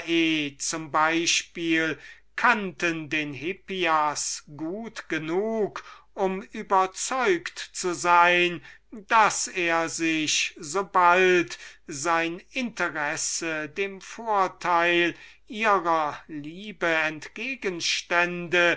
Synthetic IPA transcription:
ʔeːt͡sʊmbaɪʃpiːl | kʰantəndeːnɦɪpiasɡ̥uːtɡ̥ənuːkʔʊmʔyːbɐt͡sɔʏktt͡suzaɪnd̥aseːɐzɪçzobaltzaɪnɪntəʁɛsədeːmfoːɐtʰaɪl | ʔiːʁɐliːbəɛntɡ̥eːɡənʃtɛndə

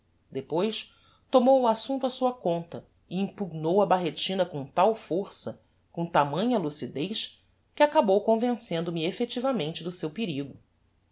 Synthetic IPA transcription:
d̪epojs | t̪omowʊasũnt̪uɐsuɐkõnt̪ɐ | ɪĩmpuɡ̚nowɐbaɦet͡ʃĩnɐkõw̃t̪awfoɾsɐ | kõt̪amɐ̃ɲɐlusid̪ejʃ | kɪakabowkõvẽsẽnd̪ʊmɪefet͡ʃivɐmẽnt͡ʃɪd̪ʊsewpiɾiɡʊ

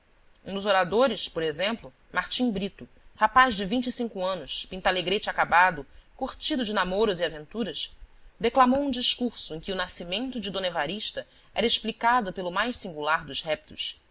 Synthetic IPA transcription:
ũd̪ʊzoɾad̪oɾɪspoɾezẽmplʊ | maɾt͡ʃĩbɾit̪ʊ | hapaʒd͡ʒɪvĩnt͡ʃisĩŋkuɐ̃nʊspĩnt̪aleɡɾet͡ʃɪakabad̪ʊkuχt͡ʃid̪ʊd͡ʒɪnamoɾʊziavẽnt̪uɾɐsd̪eklamowũd͡ʒiʃkuɾsʊẽj̃kʲɪʊnasimẽnt̪ʊd͡ʒɪd̪õnevaɾiʃt̪ɐ | ɛɾɐeʃplikad̪ʊpelʊmajʃsĩŋɡulaɾd̪ʊzhɛp̚t̪ʊs

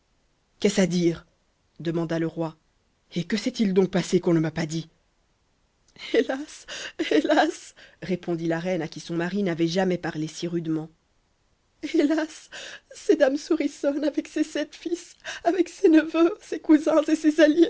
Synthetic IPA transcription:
kɛsad̪iʁ | d̪əmɑ̃d̪aləʁwa | ekəsɛt̪ild̪ɔ̃k̚pasekɔ̃nəmapad̪i | elaselasʁepɔ̃d̪ilaʁɛnakʲisɔ̃maʁinavɛʒamɛpaʁlesiʁyd̪mɑ̃ | elasː | ed̪amsuʁisɔnavɛksesɛt̪fisavɛksenəvøsekuzɛ̃zesezalje

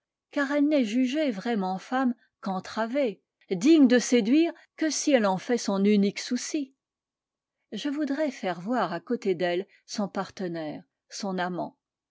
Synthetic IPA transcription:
kaʁɛlnɛʒyʒevʁɛmɑ̃fam | kɑ̃t̪χave | d̪iɲd̪əsed̪ɥiːʁ | kəsiɛlɑ̃fɛsɔ̃nyniksusi | ʒəvud̪ʁɛfɛʁvwaʁakot̪ed̪ɛl | sɔ̃paʁt̪ənɛːʁ | sɔ̃namɑ̰̃

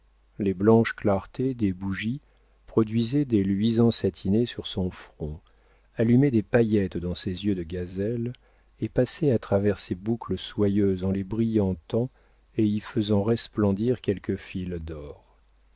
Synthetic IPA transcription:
leblɑ̃ʃklaʁt̪ed̪ebuʒi | pχɔd̪ɥizɛd̪elɥizɑ̃sat̪ʰinesyʁsɔ̃fχɔ̃ | alymɛd̪epajɛt̪d̪ɑ̃sezjød̪əɡazɛl | epasɛat̪χavɛʁsebukləswajøzɑ̃lebʁijɑ̃t̪ɑ̃ | eifəzɑ̃ʁɛsplɑ̃d̪iʁkʲɛlkəfild̪ɔːʁ

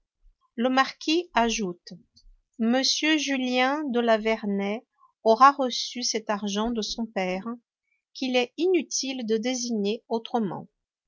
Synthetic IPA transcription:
ləmaʁkʲʰiaʒut̪ | məsjøʒyljɛ̃d̪əlavɛʁnɛ | ɔʁaʁəsysɛt̪aʁʒɑ̃d̪əsɔ̃pɛʁ | kʲilɛinyt̪ʰild̪əd̪eziɲeot̪χəmɑ̰̃

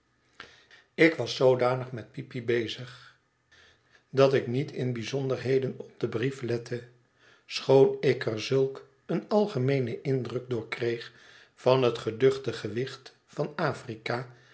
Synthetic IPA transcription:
ɪkʋɑsːowdaːnəχmɛt̚pipibejzəχ | dɑtɪknitʰɪnbizɔndəɹɦejdənɔb̚d̥əbriflɛtʰə | sχownɪkʰɛɹzɵlˠk | ənɑlˠχəmejnəʔɪndrɵk̚dʊːɹkrejχ | fɑnɦətχədɵχtəχəʋɪχt | fɑnaːfrikaː

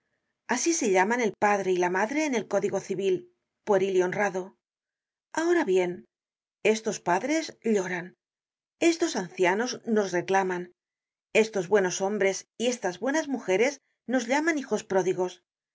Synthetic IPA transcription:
asise̞ʎamane̞lpaðɾe̞ilamaðɾe̞ːne̞lko̞ðiɣo̞θiβil | pweɾiljo̞nraðo̞ | ao̞ɾaβje̞n | e̞st̪o̞spaðɾe̞zʎo̞ɾan | e̞st̪o̞sanθjano̞zno̞sre̞klaman | e̞st̪o̞zβwe̞no̞so̞mbɾe̞sie̞st̪azβwe̞nazmuxe̞ɾe̞s | no̞zʎamanixo̞spɾo̞ðiɣo̞s

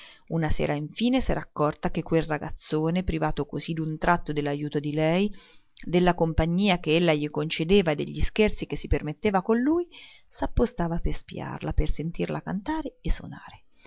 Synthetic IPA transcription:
unasḛːɾaiɱfiːnesɛ̰ɾaːkːɔrt̪ak̟ekːwelraɡa̰t̪sːoːnepɾivaːt̪okozid̪unt̪ɾat̪ːod̪elːajuːt̪od̪ilɛjd̪elːakompaɲːiːak̟eelːaʎikont͡ʃed̪eːvaed̪ːḛʎːiskert̪sikesːipermet̪ːeːvakonluːjsapːost̪aːvaperspḭa̰rlapersent̪irlʔaka̰nt̪aːɾeesːo̰na̰ːɾe

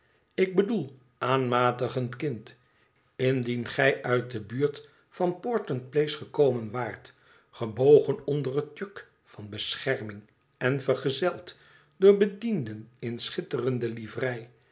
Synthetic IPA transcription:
ɪɡ̚bədulˠ | ʔaːnmaːtəχəntkɪnt | ɪndinχɛjʔœɥt̚dəbyːɹt | fɑnpɔɹtənt̚plejsχəkowmənʋaːɹt | χəbowχənɔndərət̚jøk | fɑnbəsχɛɹmɪŋ | ɛnvərχəzɛlˠt | dʊːɹbədindənɪnsχɪtərəndəlivrɛj

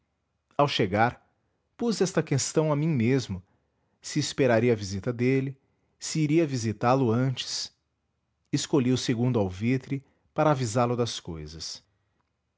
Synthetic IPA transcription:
awʃeɡaɾ | puzɛst̪ɐkest̪ɐ̃w̃ɐmĩmezmʊ | sɪːspeɾaɾiɐvizit̪ɐd̪elɪ | siːɾiɐvizit̪alʊɐ̃t͡ʃɪ̥s | ɪskoʎiwʊseɡũnd̪ʊawvit̪ɾɪ | paɾɐavizaɾlʊd̪ɐskojzɐs

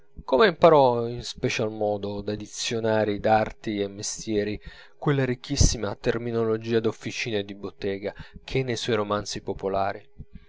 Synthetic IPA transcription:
komeimpaɾɔinspet͡ʃalmɔːd̪od̪ad̪it̪sːjonaːɾid̪art̪iemːest̪jɛːɾi | kwelːaɾikʰːisːimat̪erminolod͡ʒiːad̪ofːit͡ʃiːnaed̪ibot̪ːɛːɡakʰenːejsɔjɾomant̪sipopolaːɾi

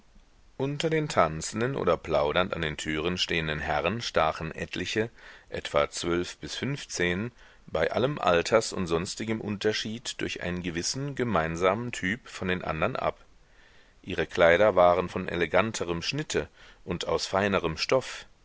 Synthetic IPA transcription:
ʔʊntɐdeːntʰant͡sn̩dənʔo̰ːdɐpʰl̥aʊɾɐnta̰ndeːntʰyːʁ̞ənʃteːəndənɦɛʁənʃtaːχn̩ʔɛ̰tʰlɪçəʔɛ̰tv̥at͡sv̥œlfb̥ɪsfʏnft͡seːn | baɪʔa̰ləmʔa̰ltʰɐsʊ̰ntz̥ɔnstɪɡəmʔʊ̰ntʰɐʃiːtd̥ʊɐçʔa̰ɪnənɡəvɪsn̩ɡəmaɪnzaːməntʰyːpfɔndeːnʔa̰ndɐnʔa̰p | ʔiːʁəkʰl̥aɪɾɐvaːʁənfɔnʔḛleɡantʰəʁəmʃnɪtʰə | ʔʊntaʊsfaɪnəʁəmʃtɔf

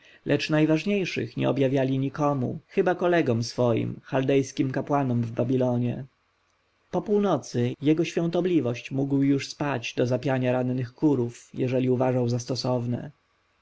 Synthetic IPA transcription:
lʔɛt͡ʂnajvaʐɲejʂɘ̰xɲɛ̰ɔbjavʲjalʲiɲikɔmṵxɘbakɔlɛɡɔmsfɔjḭmxald̪ɛjskʲimkapwanɔmvbabʲilɔɲɛ̰ | pɔpuwnɔt̪sɘjɛɡɔɕfʲjɔ̃w̃t̪ɔblʲivɔɕt͡ɕmuɡwjuʂspad͡ʑd̪ɔzapʲjaɲaɾanːɘxkuɾufjɛ̰ʐɛlʲiuvaʐawzast̪ɔsɔvnɛ̰

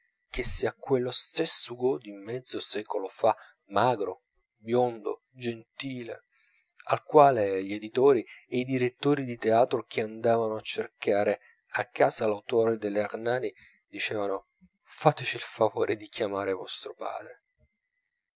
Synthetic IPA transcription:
k̟esːiːakwelːost̪esːuɡod̪imːɛd̪zːosɛːkolofa | maːɡɾo̰ | bjond̪o̰ | d͡ʒent̪iːlḛ | a̰lkwaːleʎed̪it̪oːɾieid̪iɾet̪ːoːɾid̪it̪eaːt̪ɾok̟ʰeand̪aːvanoat͡ʃːerkaːɾe | akːaːzalawt̪oːɾed̪elːearnaːni | d̪it͡ʃɛːvano | faːt̪et͡ʃiːlfavo̰ːɾʔed̪ikʰjamaːɾevɔst̪ɾopa̰ːd̪ɾe

